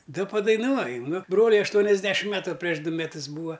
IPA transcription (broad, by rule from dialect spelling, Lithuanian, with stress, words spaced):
ˈdɐ pɐdɐɪˈnuɔjʊ ˈnʊ ˈbroːlʲʊɪ ɐʃˈtuɔnʲɛzʲˌdʲæːʃʲɪm ˈmʲæːtʊ pʲrʲiɛʃ ˈdʊ mʲɛˈtʊs ˈbuːɐ